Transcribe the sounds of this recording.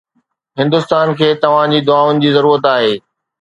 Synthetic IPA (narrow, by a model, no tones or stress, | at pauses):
ɦɪ̃nd̪ʊst̪aːnkʰeːt̪ɐʋ̤ãd͡ʑiːd̪ʊaːʊnɪ̆d͡ʑiːzɐɾuːɾət̪aːɦeː